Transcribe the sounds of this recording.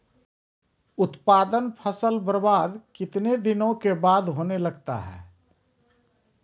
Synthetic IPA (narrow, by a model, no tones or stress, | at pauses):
ʊt̪paːd̪ənpʰəsəlbəɾbaːd̪kɪt̪ned̪ɪnõkebaːd̪ɦoːnelɐɡt̪a̰ɦɛ̰ː